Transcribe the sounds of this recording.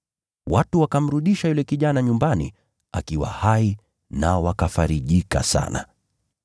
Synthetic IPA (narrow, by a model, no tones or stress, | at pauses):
watuwakam̩ɾuɗiʃajulɛkiʄanaɲumbanḭ | a̰kiwa̰hai | naɔwakafaɾiʄika̰sa̰na̰